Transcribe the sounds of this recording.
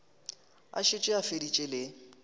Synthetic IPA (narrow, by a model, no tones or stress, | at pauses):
a̰ʃɪt͡ʃʼɪafedit͡ʃʼɪlɪ